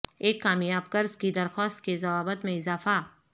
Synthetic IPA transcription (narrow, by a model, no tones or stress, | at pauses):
eːkːaːmjaːbkɐɾzkid̪ɐɾxɔːst̪kezɐʋaːbət̪mẽɪzaːfa